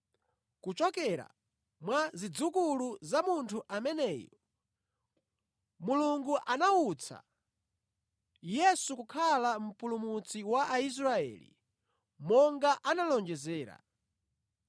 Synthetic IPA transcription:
kut͡ʃɔkɛɾa̰ | mwazid͡zukuluzamuntʰuʔamɛnɛːjɔ | muluŋɡuʔanaut͡sʰa̰ | jɛsukukʰalam̩pulumut͡siwaʔais̬ɾaɛ̰lḭ | mɔŋɡaʔanalɔnd͡ʒɛzɛːɾa̰

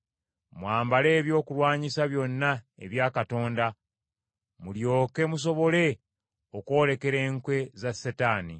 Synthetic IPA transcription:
mwaːmbale̞ːβjo̞ːkulwaːɲisaβjo̞nːaḛβjaːkato̞ːnda | muljo̞ːke̞mus̬o̞βo̞le̞ | okwo̞ːle̞ke̞ɾe̞ːŋkwe̞zasetaːni

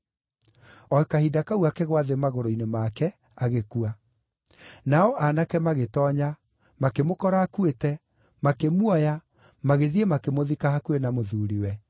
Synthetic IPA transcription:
ɔkahidakauakɛɣwaðemaɣoɾoinemakɛ | aɣekua | naɔʔanakɛmaɣetɔɲa | makemokɔɾaːkuetɛ | makemwɔja | maɣeðiemakemoðikahakuenamoðuːɾiwɛ

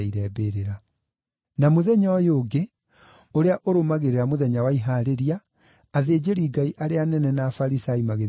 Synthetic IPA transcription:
iɾɛbeːɾeɾa | namoðɛɲɔjoːɡe | oɾeaʔoɾomaɣeɾeɾamoðɛɲawaiɦaɾeɾiaː | ðeːd͡ʑeɾiːɡaiʔaɾeanɛnɛnaːfaɾisaimaɣe

